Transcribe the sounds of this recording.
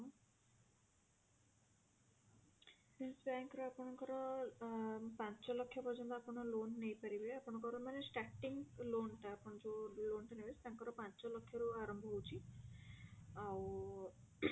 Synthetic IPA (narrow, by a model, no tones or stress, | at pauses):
hilsbaŋkɔɾeapɔɽ̃ɔŋkɔɾɔ | pant͡ʃɔlɔkʰːjapɔɾd͡ʒɔnt̪ɔapɔɽ̃ɔlonːejpaɾibeapɔɽ̃ɔŋkɔɾɔmanesʈaʈiŋɡlonʈaːpɔɽ̃ɔd͡ʒolonʈanebest̪aŋkɔɾɔpant͡ʃɔlɔkʰːjɔɾuaɾɔmbʱɔɦwt͡ʃʰi | aw